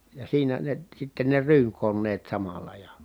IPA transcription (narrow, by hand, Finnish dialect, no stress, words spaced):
jɑ siːnæ ne sitːe ne ryːŋkonːeːt sɑmɑlɑ jɑ